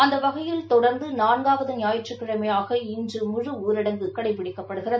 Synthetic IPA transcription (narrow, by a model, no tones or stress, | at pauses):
ɐnd̪ɐʋɐɣɐjɪlt̪ɔɽɐɾnd̪ɯnaːnɡaːʋɐðɯnɪjaːjɪʈt͡ʃːrɯkːɪɻɐmɐjaːɣɐɪndrɯmʊɻɯuːɾɪɽɐŋɡɯkɐɽɐɪp̬ːɪɽɪkːɐpːɐɽɯɣɪrɐðɯ